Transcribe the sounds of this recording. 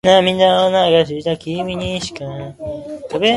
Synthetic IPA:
nãmĩnːaonaɡas̬iit̪akimiɲiɕi̥kã | kabe

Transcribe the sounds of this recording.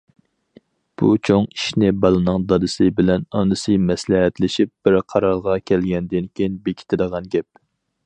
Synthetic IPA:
b̥ṵt͡ʃʰoŋi̥ʃnɪbɑlˠɨnɨŋd̪ɑd̪ɨsɨbɪlɛnɑnɨsɨmɛslɛɦɛt̪lɪʃip̚b̥ɪɾqʰɑɾɑɾʁɑkʲʰɛlɡʲɛnd̪ɪnkʲʰejinbekʲʰi̥t̪ʰɪd̪əʁɑnɡʲɛp̚

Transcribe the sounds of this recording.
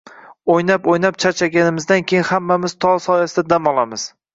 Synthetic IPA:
ojnapojnap̚t͡ʃʰaɾt͡ʃʰaɡʲanɪmɪzd̪ankʲʰejɪnhamːamɪz̥t̪ʰɒsɒjasɪd̪ad̪amɒlˠamɪz̥

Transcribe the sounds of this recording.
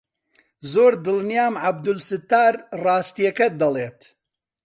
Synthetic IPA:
zoːɾd̪ɨlnijaːmʕab̚d̪ʊlsɨt̪ːaːɾrɑːst̪ijɐkɐd̪ɐleːt̪

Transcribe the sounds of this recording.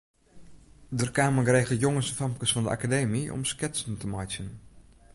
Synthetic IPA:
dərkaːməɡreːɣdəjoŋəsəfampkəsfɔndəʔa̰kadeːmiʔɔ̰mskɪtsəntəmajsjən

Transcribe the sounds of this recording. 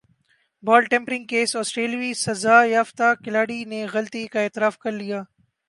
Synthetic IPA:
bɔːlʈɛ̃ːmpɾɪ̃ŋɡ̚keːsɔːsʈɾeːlʋisɐzaːjaːft̪akɪlaːɽineɣɐlt̪ikaeːt̪ɪɾaːfkɐɾlijaː

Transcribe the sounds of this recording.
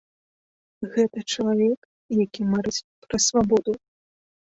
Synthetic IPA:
ɣɛt̪ɐt͡ʂɐlˠavʲɛk | jakʲimaɾɨt͡sʲpɾɐsvabɔd̪u

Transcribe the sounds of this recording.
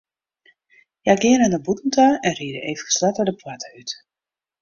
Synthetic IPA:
jaɡɪənəndəbutn̩taɛnriədəʔeːvxə̥slatədəpwatəyt

